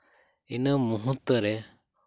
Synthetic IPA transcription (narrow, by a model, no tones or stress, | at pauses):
inəmuɦut̪ːɾɛ